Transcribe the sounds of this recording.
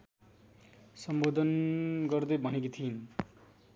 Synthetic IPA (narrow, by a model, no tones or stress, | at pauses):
sʌmbod̪ʱʌnɡʌrd̪ebʱʌnekit̪ʰin